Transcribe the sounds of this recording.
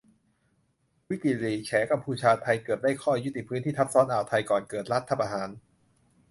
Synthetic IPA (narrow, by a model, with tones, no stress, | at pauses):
wi˦˥t̪i˧˨liː˨˩t͡ɕʰɛː˩˦˥ka˧mpʰuː˧t͡ɕʰaː˧t̪ʰa˧jkɤː˨˩t̪̚daː˥˩jkʰɔː˥˩ju˦˥t̪i˨˩pʰɯː˦˥nt̪iː˥˩t̪ʰp̚sɔː˦˥nʔaː˨˩wt̪ʰa˧jkɔː˨˩nkɤː˨˩t̪̚ɾa˦˥t̪ʰːa˧˩pʔaː˧haː˩˦n